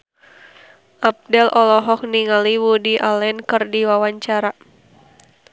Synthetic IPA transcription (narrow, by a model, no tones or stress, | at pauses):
ʔap̚dɛlʔɔlɔɦɔk̚niŋaliwudiʔalɛnkɨrdiwawaɲt͡ʃaɾa